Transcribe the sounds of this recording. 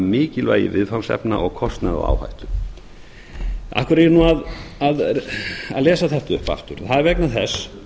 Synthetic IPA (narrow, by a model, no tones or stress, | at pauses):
mɪːcɪlva̰jɪ̰vɪðfawnsɛ̰pna̰ʔɔɣkʰɔst̪naða̰a̰ːwha̰jht̪ʏ̥ | a̰hkʏɾjɾnuaðað | aðlɛːsaθɛht̪ʏhpa̰ft̪ʏɾθaðɛɾvɛknaθɛs